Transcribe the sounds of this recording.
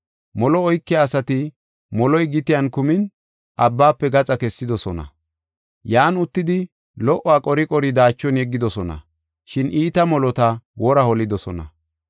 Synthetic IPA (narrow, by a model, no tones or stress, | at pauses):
mɔlɔɔjkːɛːsɐt̪ɪ | mɔlɔjɡɪt̪ɪjɐnkʊmɪn | ʔɐbːaːpːɛɡɐt͡sʼɐkɛsːɪd̪ɔsɔnɐ̰ | jaːnʊt̪ːɪd̪ɪ | lɔʔɔwaːkʼɔɾɪkʼɔɾɪd̪aːt͡ʃːɔnjɛɡːɪd̪ɔsɔnɐ̰ | ʃɪnʔiːt̪ɐmɔlɔt̪ɐwɔɾɐhɔlɪd̪ɔsɔnɐ̰